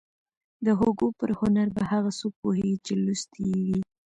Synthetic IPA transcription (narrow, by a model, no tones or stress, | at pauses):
d̪əɦoɡopəɾhʊnaɾbahaɣasupoɦeɡt͡ʃelust̪iwi